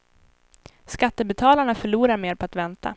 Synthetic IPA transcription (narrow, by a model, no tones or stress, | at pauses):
skat̪ːəbɛt̪ʰɑːlaɳafœɭuːɾaɾmeːɾpʰɔat̪vɛnt̪ʰa̰